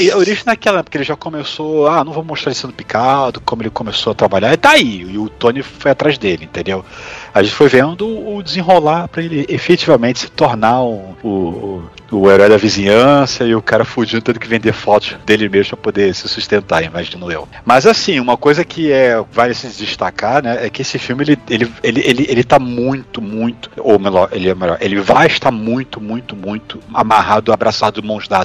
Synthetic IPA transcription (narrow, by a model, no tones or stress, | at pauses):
ɪoɾiʒẽj̃nakɛlɐɛpo̥keelɪʒakomesoanɐ̃w̃võmʊmoʃt̪ɾaɾɪsẽnd̪ʊpi̥kad̪ʊkõmʊelɪkõmesoɐt̪ɾabaʎaɾid̪aiɪʊt̪õnɪfojat̪ɾaʒzd̪elɪẽt̪ẽnd̪ewaʒẽnt͡ʃɪ̥fojvẽd̪ʊːd͡ʒɪzĩɦolapɾɐelɪefekt͡ʃivɐmẽt͡ʃɪ̥sɪ̥t̪oɾnauʊː | eɾɔjd̪ɐvizĩɲɐ̃sɐɪʊkaɾɐfud͡ʒĩd̪ʊt̪ẽd̪ʊkɪvẽnd̪efɔt̪ʊ̥ʃd̪elɪmeʒmʊpɾɐpod̪esɪsuʃt̪ẽnt̪aɾĩmaʒĩnʊḛwmɐzasĩũmɐkojzɐkʰɪɛvalɪsɪd͡ʒɪʃt̪akaɾnɛɛkɪesɪfiwmɪelɪelɪelɪʔelɪʔelɪt̪amũj̃t̪ʊmũj̃t̪ʊ̥o̰melɔɾʔelɪɛmaʎɔ̰ɾelɪvajɪʃt̪aɾmũj̃t̪ʊmũj̃t̪ʊmũj̃t̪ʊ̥amaɦad̪ʊabɾasad̪ʊd̪ʊmõʒd̪ad̪